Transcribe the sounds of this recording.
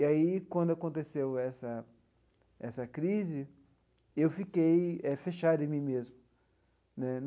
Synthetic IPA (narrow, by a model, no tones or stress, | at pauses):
iaikwɐ̃nd̪ʊakõnt̪esewɛsɐ | ɛsɐkɾizɪ | ewfikejɛfeʃad̪ɪ̃mĩmezmʊ | nɛn